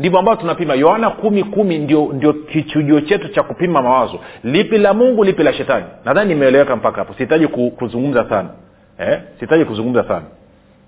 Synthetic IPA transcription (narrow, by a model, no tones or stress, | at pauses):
ndivɔambavɔtunapimajɔhanakumikumindiɔndiɔkit͡ʃuʄuɔt͡ʃɛtut͡ʃakupimamawazɔlipilamuŋɡulipilaʃɛtaninaðaninimɛːlɛwɛkam̩pakahapɔsihitaʄikukuzuŋɡum̩zasana | ɛsiitaʄikuzũŋɡum̩zasa̰na